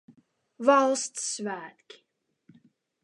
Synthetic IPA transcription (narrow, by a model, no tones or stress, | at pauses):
vɑlˠstsvæːtki̥